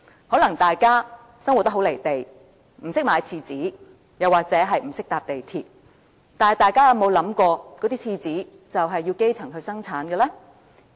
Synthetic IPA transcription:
hɔː˨˥lɐ˨˩ŋt̪aː˨jkaː˥ | sɐ˥ŋwt̪̚ɐ˥ɦo˨˥wle˨˩jt̪e˨j | m̩˨˩sɪ˥k̚maː˨˧jt͡sʰiː˧t͡siː˨˥ | jɐ˨waː˨k̚t͡sɛː˨˥ɦɐ˨jm̩˨˩sɪ˥k̚t̪aː˨p̚t̪e˨jt̪ʰiː˨t̚ | t̪aː˨nhɐ˨˩jt̪aː˨jkaː˥jɐ˨˧wmo˨˧wlɐ˨˧˥mkɔː˧kɔː˨˥t̪iː˥t͡sʰiː˧t͡siː˨˥ | t͡sɐ˨wɦɐ˨jːiː˧wke˥jt͡sʰɐ˨˩ŋɦɵ˧ɥsɐ˥ŋt͡sʰaː˨˥nɡɛː˧lɛː˥

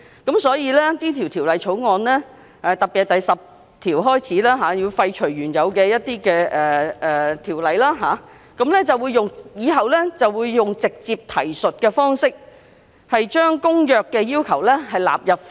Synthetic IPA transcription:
kɐ˨˥msɔː˨˥jiː˨˧lɛ˥t̪iː˥t̪ʰi˨˩wt̪ʰiː˨˩wlɐ˨jt͡ʃʰo˨˥wŋɔː˨˧nlɛː˥ | ʔɛ˨t̪ɐ˨k̚pi˨˩t̚t̪ɐ˨jsɐ˨p̚ | t̪ʰiː˨˩wɦɔː˥jt͡sʰiː˨˥laː˥ɦaː˨˧ji˧wfɐ˧jt͡ʃʰɵ˨˩ɥɥyː˨˩njɐ˨˧wkɛː˧jɐ˥t̚t̪iː˥kɛː˧ʔɛː˨ɛː˨˩t̪ʰiː˨˩wlɐ˨˧jlaː˥ɦaː˨˧ | kɐ˨˥mlɛː˥t͡sɐ˨wuː˨˧jʊ˨ŋjiː˨˧ɦɐ˨wlɛː˥t͡sɐ˨wwuː˨˧jːʊ˨ŋt͡sɪ˨k̚t͡siː˧p̚t̪ʰɐ˨˩jsɵ˨t̚kɛː˧fɔː˥ŋsɪ˥k̚ | hɐ˨jt͡ʃœː˥ŋkʊ˥ŋjœː˨˧kːɛː˧jiː˥wkʰɐ˨˩wlɛː˥ɦɐ˨jla̰ː˨p̚jɐ˨p̚

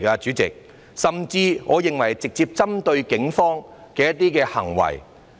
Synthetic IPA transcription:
kɐ˧t͡ʃyː˨˥t͡sɪ̰˨k̚ | sɐ˨mt͡siː˧ŋɔː˨˧jɪ˨ŋwɐ˨˩jt͡sɪ˨k̚t͡siː˧p̚t͡sɐ˥mt̪ɵ˧ɥkɪ˨˥ŋfɔː˥ŋkɛː˧jɐ˥t̪̚ːiː˥kɛː˧hɐ̰˨˩ŋwɐ̰˨˩j

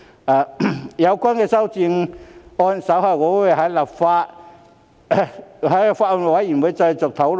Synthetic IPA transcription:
aː˨˩jɐ˨˧wkʷa˥nkɛː˧sɐ˥wt͡si˧ŋɔː˧nsɐ˨˥whɐ˨˩jkɔː˨˧˥wʊ˨˧˥jɦɐ˨˥jlɐ˨p̚faː˧t̚ | ɦɐ˨˥lɐ˨˩pfaː˧t̚ɔ˧˨˩wɐ˨˥jji˨˩nwu˨˧˥jt͡sɐ˧jt͡sɔː˨˩k̚t̪ʰɐ˨˥wl

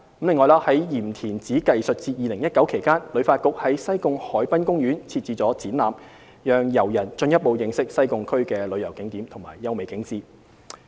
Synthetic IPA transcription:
kmlɪ˨ŋːɔː˨jlaː˧hɐ˨˥jjiː˨˩mt̪ʰiː˨˩nt͡siː˨˥kɐ˨jsɵ˨t̚t͡siː˧t̚jiː˨lɪ˨˩ŋjɐ˥t̚kɐ˨˥wkʰe˨˩jkaː˥nlɵ˨˧ɥfaː˧t̚kʊ˨k̚hɐ˨˥jsɐ˥jkʊ˧ŋhɔː˨˥jpɐ˥nkʊ˥ŋjyː˨˥nt͡sʰiː˧t̚t͡siː˨˧t͡sɔː˨˥t͡siː˨˥nlaː˨m | jœː˨ŋjɐ˨˩wjɐ˨˩nt͡ʃɵ˧njɐ˥t̚po˨˧wjɪ˨˧˥ŋsɪ˥k̚sɐ˥jkʊ˨˧ŋkʰɵ˥ɥkɛː˧lɵ˨˧ɥjɐ˨˩wkɪ˨˥ŋt̪iː˨˥mt̪ʰʊ˨˩ŋma̰ː˨˩jːɐ˧˥wme˨˧jkɪ˨˥ŋt͡siː˧

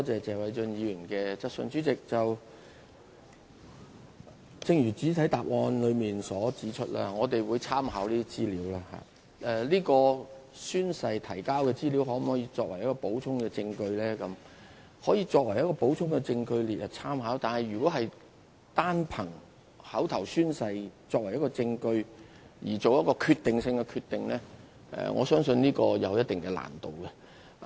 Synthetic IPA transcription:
t̪ɔː˥t͡sɛː˨t͡sɛː˨wɐ˨˧jt͡sɵ˧njiː˨˧ɥyː˨˩nkɛː˧t͡sɐ˧˥k̚sə̰˧nt͡sy˨˥t͡sɪ˨k̚t͡sɐ˨w | t͡sɪ˧ŋjyː˨˩t͡siː˨˥t̪ʰɐ˨˥jt̪aː˨p̚ŋɔː˧nlɵ˨˧ɥmiː˨nsɔː˨˥t͡siː˨˥t͡ʃʰɵ˥t̚la̰ː˧˥ŋɔː˨˧t̪e˨jwuː˨˧jt͡sʰaː˥mhaː˨˥wliː˥d̪i˥t͡siː˥liː˨˥wlaː˧ha̰ː˨ | ʔɛ˧liː˥kɔː˧syː˥nsɐ˧jt̪ʰɐ˨˩jkaː˥wkɛː˧t͡siː˥liː˨˥wɦɔː˨˥m̩˨˩hɔː˨˥jiː˧t͡sɔː˧k̚wɐ˨˩jɐ˥k̚ːɔː˧po˨˥wt͡sʰʊ˥ŋkɛː˧t͡sɪ˧ŋkɵ˧ɥlɛː˥kɐ˨˥m | hɔː˨˥jiː˧t͡sɔː˧k̚wɐ˨˩jɐ˥kɔː˧po˨˥wt͡sʰʊ˥ŋkɛ˧t͡sɪ˧ŋkɵ˧ɥliː˨t̚ʔɐ˨˩t͡sʰaː˥mɦaː˨˥wt̪aː˨nhɐ˨jːyː˨˩kɔː˨˥ɦɐ˨j | t̪aː˥npʰɐ˨˩ŋ | hɐ˨˥wt̪ʰɐ˨˩wsyː˥nsɐ˧jt͡sɔː˧k̚wɐ˨˩jɐ˥t̚kɔ˧t͡sɪ˧ŋkɵ˧ɥ | jiː˨˩t͡so˨wjɐ˥t̚kɔː˧kʰyː˧t̪ɪ˨ŋsɪ˧ŋkɛ˧kʰyː˧t̪ːɪ˨ŋlɛː˥ | ʔɛ̰˨ŋʔɔ̰ː˨˧sœː˥ŋsɵ˧nniː˥kɔː˧jɐ˨˧wjɐ˥t̚t̪ɪ˨ŋkɛ˧la̰ː˨˩nt̪o˨wkɛ˧

